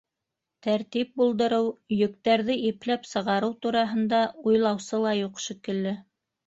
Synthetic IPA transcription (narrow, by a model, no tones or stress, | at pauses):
t̪æɾt̪ip̚bulˠd̪ɤ̆ɾɤwjɵ̆k̚t̪æɾðɘʔiplæpsɤ̆ʁɑɾɤwt̪uɾɑɦɤ̆nd̪ɑujlˠɑwsɤlˠɑjuqʃĭkɘ̆lːɘ